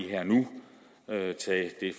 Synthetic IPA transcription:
iɦeɐ̰nu | øt͡sʰɛd̥e̝f

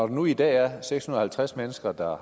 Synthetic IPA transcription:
ɒd̥enuid̥ɛ̰ːæɐseɡ̥shunɐɒ̽hælt͡sʰʁasmenəsɡ̥ɐd̥ɑ̈

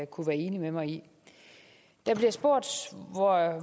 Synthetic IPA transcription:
kʰuʋæːɐe̝ːnimemɑ̈ɪi | d̥æb̥liɐɑsb̥o̝ɐ̰d̥ʋɒ

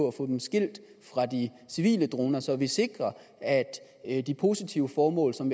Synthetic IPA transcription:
ɒæfɔ̰̽d̥emsɡ̥el̰d̥ | fʁɑ̈d̥i | siʋḭːləd̥ʁo̝ːnɐsɒ̽ʋise̝ɡ̥ʁɐ | æd̥ | d̥ipʰo̝sit͡sʰiʊəfɒːmɔ̰̽ːlsɒ̽m

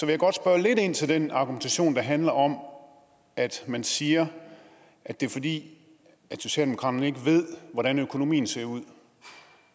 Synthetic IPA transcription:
sɒʋe̝jaɡ̥ɒ̽d̥sb̥ɶɐle̝de̝n̰t͡sʰe̝ld̥enɑ̈ɡ̥ument͡sʰæɕo̝̰ːnd̥ɑ̈ɦænlɐɒ̽m | æd̥mænsiːɐ | ʔæd̥e̝ɐfɒ̽d̥ḭː | æ̥so̝ɕɛ̰ːld̥emokʰʁɑ̈d̥ɐne̝ɡ̥əʋe̝ð̞̰ˠʋɒɾænøkʰo̝no̝mḭːn̩se̝ɐuð̰ˠ

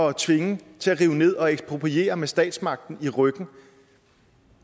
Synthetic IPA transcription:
ɒt͡sʰʋe̝ŋət͡sʰe̝æʁiːʊne̝ð̞̰ˠɒ̽eɡ̥sb̥ʁo̝pʰʁie̝̰ːɐmesd̥ɛ̰ːd̥smɑ̈ɡ̥̚d̥n̩iʁœɡ̥n̩

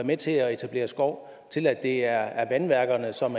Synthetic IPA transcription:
ɐmet͡sʰe̝ɒe̝t͡sʰæb̥le̝̰ːɐsɡ̥ɒʊ̰ | t͡sʰe̝læd̥e̝æɐæɐʋænʋæɐɡ̥ɐnəsɒ̽mæ

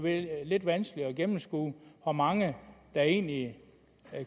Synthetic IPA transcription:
ʋele̝d̥ʋænsɡ̥liɒ̽ɡ̥emm̩sɡ̥ṵːhɒmɑ̈ŋəd̥ɑ̈e̝̰ːnli

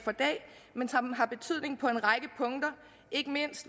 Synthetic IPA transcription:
fɒ̽d̥ɛ̰ːmensɑɦɑ̈b̥e̝t͡sʰyð̞̰ˠne̝ŋ̩pʰɒ̽e̝nʁɑ̈ɡ̥əpʰɔ̽ŋd̥ɐ | e̝ɡ̥əme̝n̰sd̥

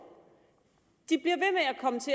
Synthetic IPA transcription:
d̥ib̥liɐʋe̝meækʰɒ̽mət͡sʰe̝

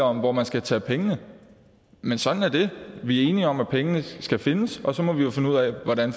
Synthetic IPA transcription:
ɒ̽m̰ʋɒmænsɡ̥æt͡sʰɛ̰ːpʰeŋənə | mensɒ̽d̥n̩æɐd̥e̝ʋiæɐe̝ːniɒ̽mæpʰeŋənəsɡ̥æfe̝nəsɒ̽sɒ̽mɒ̽ʋijo̝fe̝nuð̰ˠɛʋɒɾ̥æn

